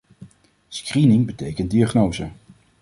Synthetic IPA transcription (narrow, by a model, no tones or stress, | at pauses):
skrinɪŋbətejkənt̚diaχnowzə